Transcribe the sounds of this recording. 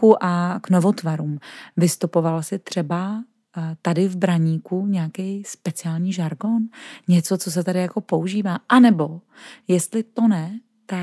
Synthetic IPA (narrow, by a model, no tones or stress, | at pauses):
uʔakno̞vo̞t̪vaɾuːmvɪst̪upo̞valsɪt̪r̝̥ɛba | t̪adɪvbɾaɲiːkuɲɛakɛjspɛt͡sɪaːlɲiːʒaɾɡo̞nɲɛt͡so̞t͡sos̬ɛt̪adɪjako̞po̞uʒiːvaːʔanɛbo̞ | jɛst̪lɪt̪o̞nɛ | t̪a